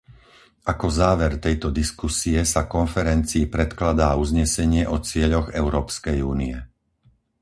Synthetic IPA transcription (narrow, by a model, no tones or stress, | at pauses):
ʔakɔzaːʋɛɾt̪ɛjt̪ɔd̪iskusiɛsakɔnfɛɾɛnt͡siːpɾɛt̪klad̪aːuzɲɛsɛɲɪɛʔɔt͡sɪɛʎɔɣɛʊɾɔːpskɛjuːniɛ